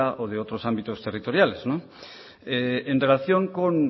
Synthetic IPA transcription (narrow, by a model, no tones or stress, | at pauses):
aʔoðeot̪ɾosambit̪ost̪erit̪o̞ɾjaleznõ | eenre̞laθjoŋkoŋ